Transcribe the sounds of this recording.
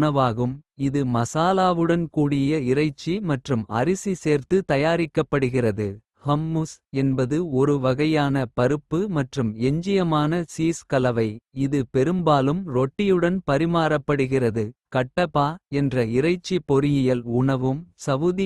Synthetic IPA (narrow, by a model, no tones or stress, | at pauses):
ɐʋaːɣɯmɪðɯmɐsaːlaːʋɯɽɐnkuːɽɪjɐɪrɐɪt͡ʃːimɐʈrɯmɐ̰ɾɪsiseːɾt̪ɯt̪ɐjaːɾɪkːɐpːɐɽɯɣɪrɐðɯ | hɐmːusɛnbɐðɯɔɾɯʋɐɣɐjaːnɐpɐɾɯpːɯmɐʈrɯmɛɲd͡ʒɪjɐmaːnɐsiːskɐlɐʋɐɪɪðɯpɛɾɯmbaːlɯmɾɔʈːɪjɯɽɐnpɐɾɪmaːɾɐpːɐɽɯɣɪrɐðɯkɐʈːɐpaːɛndrɐɪrɐɪt͡ʃːipɔɾɪjɪjɐlʊɳɐʋɯmsɐʋɯði